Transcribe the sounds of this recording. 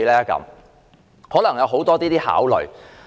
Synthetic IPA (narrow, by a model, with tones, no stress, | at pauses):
lɛː˥kɐ̰˨˥m | hɔː˨˥lɐ˨˩ŋjɐ˨˧wɦo˨˥wt̪ɔː˥t̪iː˥t̪iː˥ha̰ː˨˥wlɵ̰˨ɥ